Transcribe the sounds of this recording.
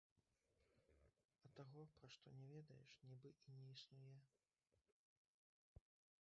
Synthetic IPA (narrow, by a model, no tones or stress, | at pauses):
ɐt̪aɣɔpɾaʂt̪ɔnʲɛvʲɛd̪ɐjɛ̰ʂnʲibɨʔinʲɛisnujɛ